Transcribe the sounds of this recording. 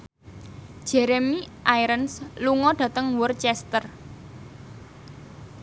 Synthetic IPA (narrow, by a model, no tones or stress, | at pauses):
d̥ʒ̥ɛɾemiʔajɾənsluŋɔɖ̥ä̤t̪əŋwʊrt͡ʃɛst̪ər